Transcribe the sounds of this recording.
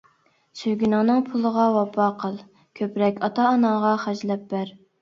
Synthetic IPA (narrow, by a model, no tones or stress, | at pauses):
søɡʲynɑŋnɨŋpʰulˠəʁɑwɑpʰɑqʰəlˠ | kʲʰøpɾɛkʲɑt̪ʰɑːnɑŋʁɑχæd͡ʒlɛp̚bæɾ